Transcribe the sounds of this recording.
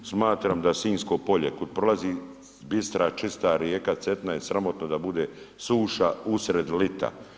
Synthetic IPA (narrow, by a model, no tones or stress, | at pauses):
smaːt̪ɾaːmd̪asiːnsko̞po̞ʎe̞kod̪̚pɾo̞lazi | bist̪ɾat͡ʃist̪aːɾjeːkat̪se̞t̪najesɾamo̞t̪nod̪abud̪eː | suːʃausɾe̞d̪lit̪a̰